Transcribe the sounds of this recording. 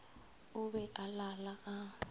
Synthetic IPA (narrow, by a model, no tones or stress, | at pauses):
uɓɛʔalalaʔa